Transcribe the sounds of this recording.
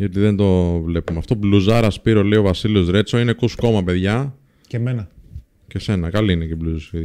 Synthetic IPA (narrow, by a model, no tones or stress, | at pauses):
ʝɐt̪iðe̞nd̪o̞vle̞pumeɐft̪o̞bluzɐɾɐspiɾo̞le̞io̞vɐsiliozɾe̞t͡so̞ine̞kusko̞mɐpe̞ðʝɐ | emenɐ | ce̞se̞nɐkɐliinecebluzsiɾ